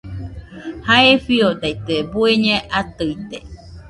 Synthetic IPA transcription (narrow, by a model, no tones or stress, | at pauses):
haefiod̪ajt̪eebueɲãʔat̪ɯit̪e